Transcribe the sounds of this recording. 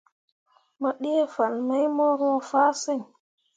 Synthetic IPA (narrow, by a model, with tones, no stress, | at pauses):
mə˨ɗi˦e˦fa˨nmə˦jmo˦ɾõ˦faː˦sə˦˨ɲ